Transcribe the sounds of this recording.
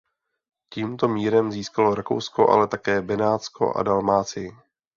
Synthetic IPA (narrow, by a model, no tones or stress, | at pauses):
ciːmt̪o̞miːɾɛmziːskalo̞ɾako̞̰wsko̞ʔa̰lɛt̪akɛːbɛnaːt͡skʰo̞̰ʔa̰dalmaːt͡sɪjɪ